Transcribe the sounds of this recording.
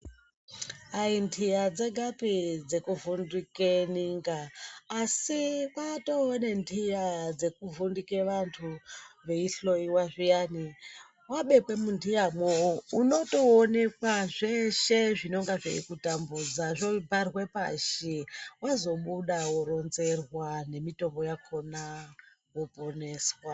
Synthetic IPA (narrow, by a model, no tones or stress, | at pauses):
aindʰʱijad͡zeɡʱapid͡ze̞kuvundikeniŋɡaː | siwato̞ːne̞ndʰʱijad͡ze̞kuvundike̞ʋantʰuʋe̞iɬo̞iwaʐijani | waɓe̞kwe̞mundijamouno̞to̞ːne̞kwaʐe̞ʃeʐino̞ŋɡaʐḛḭkutambud͡zaʐobʱarwe̞pa̰ʃiwazo̞ɓuɗawoɾo̞nze̞rwane̞mito̞mbo̞jakʰo̞na | wopo̞ne̞ːswa